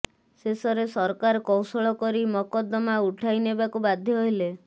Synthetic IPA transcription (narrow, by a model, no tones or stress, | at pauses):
sesɔɾesɔɾkaɾɔkɔwsɔɭɔkɔɾimɔkɔd̪ɔmauʈʰajnebakubad̪ʱjɔɦɔɦile